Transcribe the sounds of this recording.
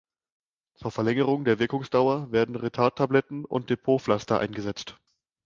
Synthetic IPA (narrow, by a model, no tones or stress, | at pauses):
t͡suːɐfɛɐlɛŋəʁ̞ʊŋdeːɐvɪɐkʊŋsd̥aʊɐveːɐdn̩ʁetʰaɐtʰablɛtn̩ʊ̰nt̚d̥epʰoːflastɐʔa̰ɪnɡəzɛt͡st